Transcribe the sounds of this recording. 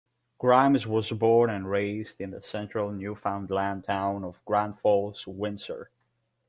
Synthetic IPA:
ɡ̥ɹãɪ̃mzwʌzbɔɹnɨ̃nɹeɪzdɨ̃nðəsɛ̃nt͡ʃɹ̥əl̩ˠnjʉfãʊ̃ndˡlæ̃ntʰãʊ̃nʌvɡɹæ̃nfɔlˠz̥wɪ̃nsə̰˞

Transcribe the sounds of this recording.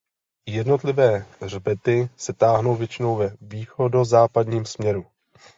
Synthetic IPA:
jɛdno̞t̪lɪvɛːr̝bɛt̪ɪsɛt̪aːɦno̞wvjɛt͡ʃɪno̞wvɛviːxo̞do̞zaːpadɲiːmsmɲɛɾu

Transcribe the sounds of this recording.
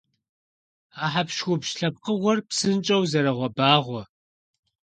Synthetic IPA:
aːħapʃxʷʊpʃɬɐp̚qəʁʷɔrpsɨnt͡ʃʼɐwzɐɾɐʁʷɔbaːʁʷɔ

